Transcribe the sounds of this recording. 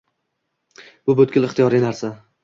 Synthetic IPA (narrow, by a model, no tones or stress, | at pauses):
b̥ʊbɵt̪̚kʲɪlɪχt̪ijɒɾijnaɾsa